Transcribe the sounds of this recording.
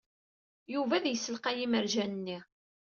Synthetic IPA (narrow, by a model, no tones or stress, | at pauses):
juvæðjəsːəlqæjiməɾʒænənːi